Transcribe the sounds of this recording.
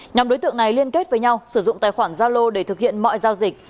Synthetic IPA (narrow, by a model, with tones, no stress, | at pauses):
ɲa˨˩mɗo˨˦jt̪ɨ̰˧˨əŋna˨˩jli˧ənke˦˥t̚vəː˨˦jɲa˧wsɨ˧˩zʊ̰˧˨ŋ͡mt̪aː˨jxwaː˧˩nzaː˧lo˧ɗe˧˩t̪ʰɨ˨˩k̚hḭ˧˨ənmɔ̰˧˨jzaː˧wzï˨˩k̚